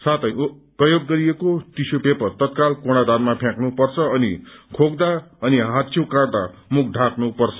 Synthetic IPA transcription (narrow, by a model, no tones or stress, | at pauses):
sat̪ʰʌ̃j̃prʌjoɡːʌɾijekot̪isopepʌt̪ʌt̪̚kalkoɽ̃ad̪anmapʰjãknupʌrt͡sʰʌʌnikʰoɡd̪aʌniɦat̪t͡sʰjikaɽd̪amukʰɖʱãknupʌrt͡sʰʌ̥